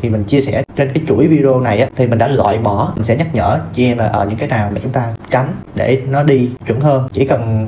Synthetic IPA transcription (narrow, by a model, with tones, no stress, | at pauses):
t̪ʰi˨˩mï˨˩ŋ̟t͡ɕi˧əsɛ˧˩t͡ɕe˧nkaː˨˦jt͡ɕu˧˩ə˨jvi˧ɗə˧o˧na˨˩jʔaː˨˦t̪ʰi˨˩mï˨˩ŋ̟ɗaː˧˥lwa̰ː˧˨jɓɔ˧˩mï˨˩ŋ̟sɛ˧˥ɲə˦˥t̚ɲə̰ː˧˨t͡ɕi˧ɛ˧mlaː˨˩ʔəː˧˩ɲɨ̰˧˥ŋkaː˨˦jnaː˨˩wmaː˨˩t͡ɕʊ˨˦ŋ͡mt̪aː˧t͡ɕa˨˦ŋ̟ɗe˧˩nɔ˨˦ɗi˧t͡ɕwi˧˩nhəː˧nt͡ɕi˧˩kə˨˩n